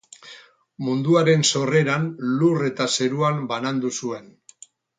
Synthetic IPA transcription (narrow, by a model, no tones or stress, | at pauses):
mund̪uaɾe̞nso̞re̞ɾanlure̞t̪ase̞ɾuambanand̪usue̞n